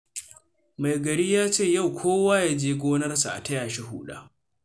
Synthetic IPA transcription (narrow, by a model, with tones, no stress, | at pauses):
ma˨jɡɐ˨ɾiː˦jaː˦t͡ʃeː˦˨ja˦˨wkʷʰoː˦waː˦jaː˦d͡ʒeː˦ɡʷoː˦nɐ˦rsa˨ʔa̰˨tɐ˦jaː˨ʃi˦ɦṵː˦ɗa̰ː˦